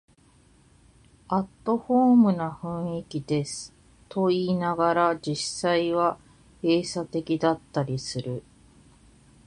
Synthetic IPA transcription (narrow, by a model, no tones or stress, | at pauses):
at̪ːo̞ɸo̞ːmɯ̟naɸɯ̟̃ɰ̃ikʲid̪e̞sɨ̥ | t̪ʰo̞iːnaɡaɾad͡ʑisaiβa | eːsat̪e̞kʲid̪at̪ːaɾʲisɨɾɯ̟